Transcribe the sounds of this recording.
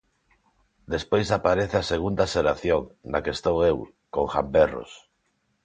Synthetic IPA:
d̪espojsapaɾeθeaseɣ̞und̪aʃeɾaθjoŋnakest̪owew | koŋxambero̰s

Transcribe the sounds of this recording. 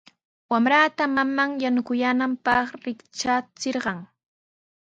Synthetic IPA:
wamɾat̪amamaŋjanʊkʊjanampɑχɾɪkt͡ʃat͡sɪɾɢɑŋ

